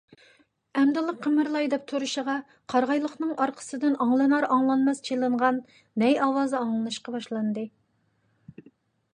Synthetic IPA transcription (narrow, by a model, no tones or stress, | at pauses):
ɛmd̪ɨlˠəqʰːəmɪɾlˠɑjd̪ɛp̚t̪ʰuɾɨʃəʁɑ | qʰɑɾʁɑjlˠəχnɨŋʔɑɾqʰə̥sɨd̪ɪnɑŋlˠɨnɑɾɑŋlˠɑnmɛst͡ʃʰelˠɨɴʁɑnː | ɛjɑwɑːzɨɑŋlˠɨnɨʃqɑbɑʃlˠɑnd̪ɨ